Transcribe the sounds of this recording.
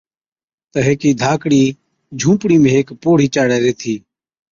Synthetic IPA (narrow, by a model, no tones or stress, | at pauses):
t̪əɦeːkiːd̪ʱaːkɽiː | d͡ʒʱũːpɽiːmẽːɦeːkpoːɽ̤iːt͡ʃaːɽɛːɾeːt̪ʰiː